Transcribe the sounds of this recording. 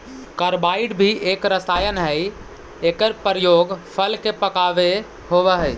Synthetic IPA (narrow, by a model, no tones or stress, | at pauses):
kəɾbaiɖbʱieːkɾəsajənɦəj | ekəɾpəɾəjoːɡpʰəlkepəkaʋe | ɦoʋəɦəj